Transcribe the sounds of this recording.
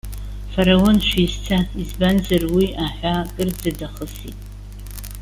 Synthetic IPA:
faɾawonʃʰʷᶣizt͡sʰaizbanzarwiaħᶣʷakʼɨrd͡zadaχəsḭtʼ

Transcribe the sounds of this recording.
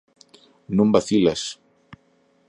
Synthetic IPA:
nõmbaθilas

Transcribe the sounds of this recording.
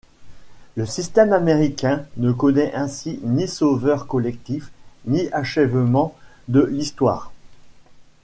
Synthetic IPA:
ləsist̪ɛmameʁikʲɛ̃nəkɔnɛʔɛ̃sinisovœʁkɔlɛk̚t̪ifniaʃɛvmɑ̃ | d̪əlist̪wa̰ːʁ

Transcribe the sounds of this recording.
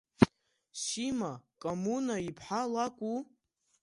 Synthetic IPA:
ʃimakʼomunaipʰħalakʷʼu

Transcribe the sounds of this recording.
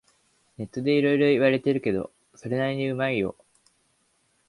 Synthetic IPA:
ne̞t̪ːo̞d̪e̞iɾo̞iɾo̞iβ̞aɾe̞t̪e̞ɾɯ̟ke̞d̪o̞̰ | so̞ɾe̞naɾʲiɲ̟iɯ̟maijo̞̰

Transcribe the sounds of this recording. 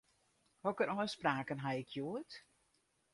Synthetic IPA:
ɔkəɾʔɔjspraːkənɦaɪkʰjuət

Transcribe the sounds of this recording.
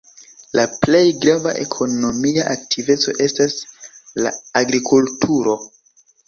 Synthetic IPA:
lʔaple̞jɡɾavaʔe̞̰kʰo̞no̞miaʔak̚tʰive̞t͡so̞̰ʔe̞stasla̰ːɡɾikʰultʰuɾo̞

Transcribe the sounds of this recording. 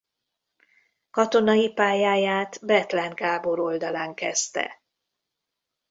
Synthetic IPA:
kɒt̪o̞nɒjipaːjaːjaːt̪bɛt̪lɛŋɡaːbo̞ɾo̞ld̪ɒlaːŋkɛst̪ɛ̰

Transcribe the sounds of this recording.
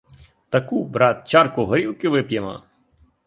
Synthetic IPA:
t̪ɐkubɾɑt̪̚t͡ʃɑrkʊɦɔɾʲilˠkɪʋɪpjemɐ̰

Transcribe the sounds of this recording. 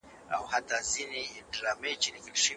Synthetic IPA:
a̰what̪azineɖɾamet͡ʃenikəlʃə

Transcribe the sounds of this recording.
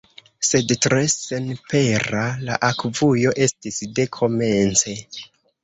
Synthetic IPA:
se̞dtɾesenpe̞ɾala̰ʔakvujo̞ʔe̞stisde̞kʰo̞me̞nt͡se̞

